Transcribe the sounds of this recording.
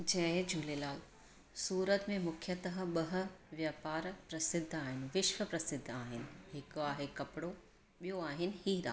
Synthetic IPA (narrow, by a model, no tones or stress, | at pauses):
d͡ʑɐ̃ɦẽd͡ʑʱuːlelaːl | suːɾət̪mẽmʊkʰjət̪ɐɦə̆ɓɐɦ̆ʋjaːpaːɾpɾɐsɪd̪ʱːaːɦɪnɪ̆ʋɪʃʋəpɾɐsɪd̪ʱːaːɦɪnɪ̆ɦɪkoaːɦekɐpɪɽo | ɓijoaːɦɪnɪ̆hiːɾa̰ː